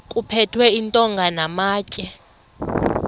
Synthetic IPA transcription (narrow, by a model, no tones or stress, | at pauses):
kʼupʰɛtʰwɛintʼɔŋɡʱanamaːcʼɛ